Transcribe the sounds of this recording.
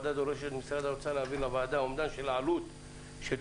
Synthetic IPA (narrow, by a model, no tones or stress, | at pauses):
d̪ad̪o̞ʁeʃet̪misɾat̪aɾot͡saleavilavaːd̪aomd̪anʃelʕalut̪ | ʃe